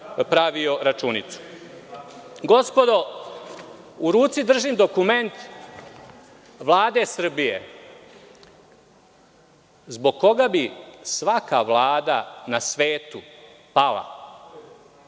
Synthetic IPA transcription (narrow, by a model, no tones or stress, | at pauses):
pɾaʋioɾat͡ʃuːnit̪su̥ | ɡo̞spo̞d̪o | uɾuːt̪sid̪r̩ʒimd̪o̞kume̞nt̪ | ʋlˠaːd̪e̞sr̩bijḛ | zbo̞ɡ̚ko̞ɡabisʋakaʋlˠaːd̪anasʋeːt̪u | palˠa̰